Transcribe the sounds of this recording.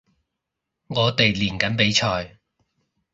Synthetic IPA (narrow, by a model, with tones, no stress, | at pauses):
ŋɔː˨˧t̪e˨jliː˨˩nkɐ˨˥npe˨˥jt͡ʃʰɔː˨j